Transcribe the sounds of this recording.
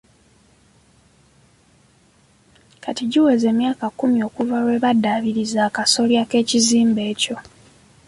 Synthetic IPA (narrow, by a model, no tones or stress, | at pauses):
kʰatiɟiwe̞ze̞ːmjaːkakumio̞ːkuvaɾwe̞βadaːβiɾizaːkaso̞ljake̞ːciziːmbe̞ːco̞